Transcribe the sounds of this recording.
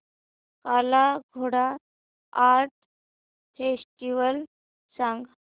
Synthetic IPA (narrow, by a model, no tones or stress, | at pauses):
kalaɡʱoɽa | aɾʈ̚ | fesʈiʋəl | sãŋɡ